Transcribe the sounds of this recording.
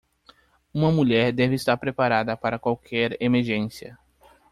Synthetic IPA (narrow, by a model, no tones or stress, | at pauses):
ũmɐmuʎɛɾd̪ɛvɪːst̪aɾpɾepaɾad̪ɐpaɾɐkwawkʰɛɾemeɾʒẽsiɐ̰